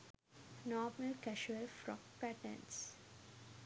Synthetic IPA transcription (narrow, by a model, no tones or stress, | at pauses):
nɔːməlkæʃuəlfɾɔ̰k̚pæʈə̰ns